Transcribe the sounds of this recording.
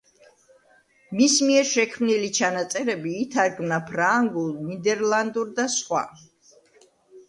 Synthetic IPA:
mismiɛɾʃɛkʰmnilit͡ʃʰanat̪sʼɛɾɛbiːt̪ʰaɾɡmnapʰɾaŋɡulˠnid̪ɛɾlˠand̪uɾd̪asχwa̰

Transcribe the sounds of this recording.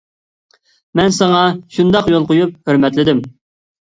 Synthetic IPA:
mɛnsɑŋɑʃund̪ɑqjolˠqojup̚høɾmɛt̪lɪd̪ɪm

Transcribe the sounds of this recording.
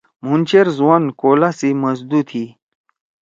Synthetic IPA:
m̤unʲt͡ɕeɾzwankolasiməsd̪ut̪ʰi

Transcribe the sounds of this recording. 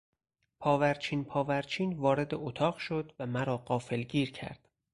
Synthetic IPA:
pʰɒːvæɾt͡ʃʰiːnpʰɒːvæɾt͡ʃʰiːnvɒːɾe̞d̪eʔot̪ʰɒːɣʃo̞d̪væmæɾɒːɢɒːfe̞lɟiːɾcʰæ̰ɾd̪̥

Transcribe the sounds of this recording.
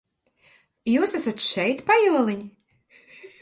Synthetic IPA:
juːsæsat̪ʃɛjt̪pajuɔlˠiɲʲ

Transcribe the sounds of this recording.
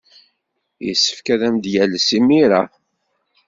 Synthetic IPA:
jə̰sːə̥fkæðæmd̪jælːsimiɾa

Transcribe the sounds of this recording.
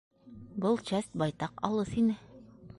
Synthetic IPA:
bɤlˠt͡ɕæst̪̚bɑjt̪ɑqɑ̰lˠɤsinɘ

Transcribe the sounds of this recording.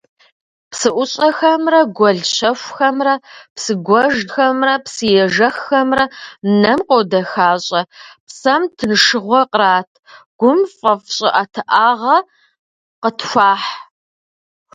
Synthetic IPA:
psɨʔʷʊɕʼɐxɐmrɐɡʷɔɮɕɐɕʷxɐmrɐpsɨɡʷɔʒxɐmrɐpsɨjɛʒɐxːɐmrɐnɐmqowdɐxaːɕʼɐpsɐmtʰɨnʂɨʁʷɔqʼraːtʰɡ̥ʷʊmfʼɐfɕʼɪʔɐtʰɨʔaːʁɐ | qətʰɕʷaːħ

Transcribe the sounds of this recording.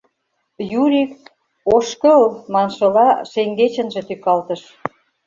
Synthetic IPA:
juɾʲik | oʃkə̆lmɑnʃɤ̆lɑʃeŋɡet͡ɕə̆nʒĕt̪ykɑlt̪ə̆ʃ

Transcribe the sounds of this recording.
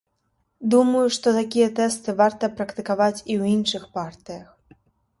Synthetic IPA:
d̪umɐjuʂt̪ɔt̪akʲijɐt̪ɛst̪ɨvart̪ɐpɾɐkt̪ɨkavat͡sʲiwinʂɨxpart̪ɨjɐx

